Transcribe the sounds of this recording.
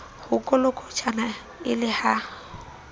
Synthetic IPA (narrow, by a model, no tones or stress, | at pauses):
hʊkʼɔlʊkʼɔt͡ʃʰʼana | ɪlɪha